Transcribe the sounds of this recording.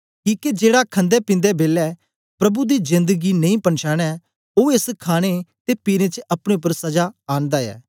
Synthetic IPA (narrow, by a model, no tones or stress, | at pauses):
kiːked͡ʒeːɽakʰə̃nd̪ɛːpĩːnd̪ɛbeːlɛː | pɾɐbud̪iːzɪ̃nd̪əɡiːnɐ̃ĩːpɐnʃaːɽ̃ɛː | oːeskʰaːɽ̃et̪epiːɾẽt͡ʃʔɐpɽ̃epːəɾsɐd͡ʒaːaːnd̪aːɛ̰ː